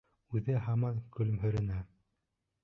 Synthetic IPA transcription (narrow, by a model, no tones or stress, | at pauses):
ʉðɘɦɑmɑnkɵ̆lɘmɦɵ̆ɾɘ̆næ